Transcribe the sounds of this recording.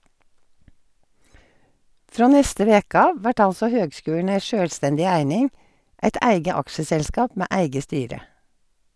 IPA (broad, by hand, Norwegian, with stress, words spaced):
ˈfɹoː ˈnɛstə ˈʋeːk ˈɑːʋ ˈʋæʈ ˈɑlsɔ ˈhøːɡˌskʉːɳ̩ ˈæɪ ˈʃøːlˌstɛndɪ ˈæɪnɪŋ ˈʔæɪt ˈæɪɡə ˈɑkʃəsɛlˌskɑːp ˈmeː ˈæɪɡə ˈstyːɾə